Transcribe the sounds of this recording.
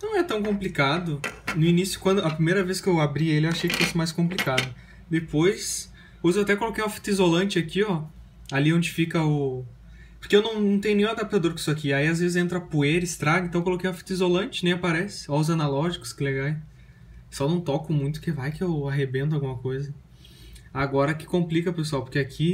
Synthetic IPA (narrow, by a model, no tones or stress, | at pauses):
nɐ̃w̃ɛt̪ɐ̃w̃kõmplikad̪ʊnʊinisjʊ̥kwɐ̃nd̪ʊɐpɾimejɾɐveskɪewabɾielɪewaʃejkɪ̥fosɪmajskõplikad̪ʊ | d̪epojs | pojzewat̪̬ɛkolokejũmafi̥t̪izolɐ̃nt͡ʃɪakiɔ | aliõd͡ʒɪfikɐʊ | poɾkeewnɐ̃w̃nɐ̃w̃t̪ẽj̃ʊnẽũad̪ap̚t̪ad̪oɾkʊisʊakiaiazvezɪzẽnt̪̬ɾɐpueɾɪst̪ɾaɡɐɪ̃t̪ɐ̃w̃kolokejũafi̥t̪izolɐ̃nt͡ʃɪnẽj̃apaɾɛsɪ̥ɔʊzanalɔʒikʊ̥skɪleɡaj | sɔwnɐ̃w̃t̪ɔkʊmũj̃t̪ʊ̥kevajkɪewaɦebẽnt̪ʊawɡũmɐkojzɐ | aɡɔɾɐkɪ̥kõmplikɐpesuawpoɾkeakʰi